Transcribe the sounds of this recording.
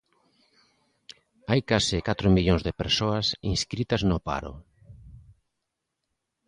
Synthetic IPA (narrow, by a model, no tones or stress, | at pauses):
ajkasɪkat̪ɾʊmiʎoŋzðɪpeɾsoɐsḭ̃nskɾit̪ɐznʊpa̰ɾʊ̰